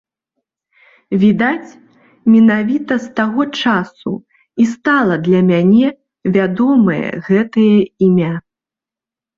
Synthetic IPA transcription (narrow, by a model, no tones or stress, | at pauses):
vʲid̪at͡sʲ | mʲɛnavʲit̪ɐst̪aɣɔt͡ʂasṵ | ist̪alˠɐd̪lʲɐmʲanʲɛ | vʲad̪ɔmɐjɐ̰ɣɛt̪ɐjɐimʲa